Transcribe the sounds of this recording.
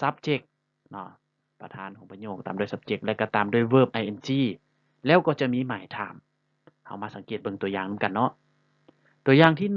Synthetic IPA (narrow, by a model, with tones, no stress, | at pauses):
sa˦˥p̚t͡ɕe˧˥k̚ | nɔ˧˩ | pa˧t̪ʰaː˧˥˨nkʰɔː˨˦ŋpʰa˧ɲoː˧˩k̚t̪aː˨mdu˧˥˨jsa˧˥p̚t͡ɕe˧k̚lɛ˧˩wka˧˩t̪aː˨˩mdu˧˩˨jwɤː˧˩p̚ʔa˧jʔe˧nt͡ɕiː˧˥˩ | lɛː˧˥˨wkɔː˧˩t͡ɕa˧˩miː˧˥˨maː˨˦jt̪ʰa̰ː˧˩m | ha˧˩wmaː˧sa˨˦ŋkeː˨˩t̪̚bɤ˧ŋt̪u˧ɐjaː˧˩ŋnɯ˧˦ŋka˧˨nːɔ˧˥˩ʔ | t̪u˧˩əjaː˧ŋt̪ʰiː˧˥˩n